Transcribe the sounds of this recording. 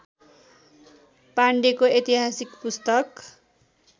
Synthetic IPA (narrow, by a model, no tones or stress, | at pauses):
paɳɖekoet̪iɦasikpust̪ʌk